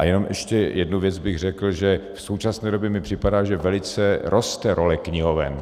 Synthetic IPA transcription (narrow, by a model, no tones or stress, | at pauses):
ʔa̰jɛno̞mʔɛʃcɛjʔɛdnuvjɛd͡zbɪɣr̝ɛkl̩ʒɛfso̞wt͡ʃasnɛːdobjɛmɪpr̥ɪpadaːʒɛvɛlɪt͡sɛɾʔo̞st̪ɛɾʔo̞lɛkɲɪɦo̞vɛ̰n